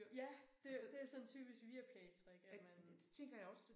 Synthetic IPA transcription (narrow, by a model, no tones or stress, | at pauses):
jæd̥e̝d̥e̝æɐsɒ̽nt͡sʰyb̥isɡ̥ʋiæɐpʰlɛːt͡sʰʁɛɡ̥æmæn̥et͡sʰeŋɡ̥ɐjäɪɒ̽s